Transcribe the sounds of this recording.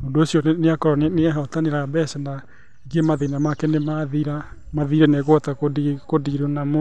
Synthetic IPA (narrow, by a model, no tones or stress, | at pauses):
ondoosijɔnneakɔɾɔnneɛɦɔtaneɾabɛsɛna | eɡemaðenamakɛnemaðiɾa | maðiɾɛnɛɣwtakodikodiɾenamo